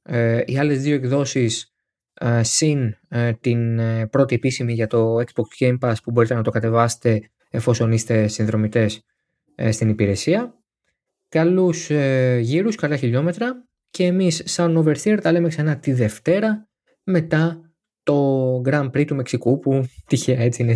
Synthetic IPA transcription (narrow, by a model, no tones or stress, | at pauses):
iɐle̞zðio̞ekðo̞sis | sːint̪inpɾo̞t̪ie̞pisimiʝɐt̪o̞eksbokscejmpɐspubo̞ɾit̪e̞nɐt̪o̞kɐt̪e̞vɐse̥t̪e̞ | efo̞so̞nist̪e̞sinðɾo̞mit̪e̞s | st̪inipiɾe̞siɐ | kɐlusʝiɾuskɐlɐçiʎo̞me̞t̪ɾɐ | ce̞ːmisːɐno̞ve̞ɾθiɐɾt̪ɐle̞meksɐnɐt̪iðe̞ft̪e̞ɾɐ | me̞t̪ɐ | t̪o̞ɡɾɐmpɾit̪ume̞ksikuput̪içeɐe̞t͡siine